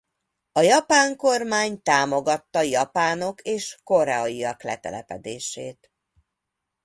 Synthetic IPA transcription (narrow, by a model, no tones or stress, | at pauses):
ɒjɒpaːŋko̞rmaːɲt̪aːmo̞ɡɒt̪ːɒjɒpaːno̞kʰeːʃko̞ɾɛɒjiɒklɛt̪ɛ̰lɛpɛd̪eːʃeːt̪